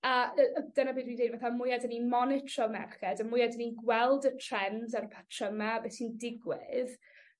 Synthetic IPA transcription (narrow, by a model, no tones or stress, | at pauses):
aəəd̥ənabiːdwindejdvaθamʊjadəninmɔnɪtʰɔmɛ̰rχɛdəmʊjadəninɡwɛlˠdətʰrɛnzaɾəpʰatʰrəmɛabɛːsindɪɡwɪð